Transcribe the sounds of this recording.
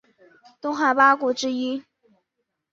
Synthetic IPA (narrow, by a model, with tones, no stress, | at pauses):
t̪ʊ˥ŋxa˧˥pa˥kwɔ˧˥ʈ͡ʂɻ̩˥i˥